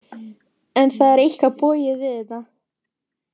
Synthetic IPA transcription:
ɛnθaðɛɾejhkapɔːjɪvɪðɪt̪a

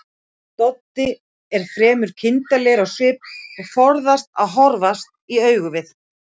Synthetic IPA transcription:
t̪ɔt̪ːɪ | ɛɾ̥fɾɛːmʏɾ̥cʰɪnt̪alɛɾaɣsʏːpɔɣfɔɾðast̪aðɦɔɾvast̪̚ | iœːɥɣʏvɪθ

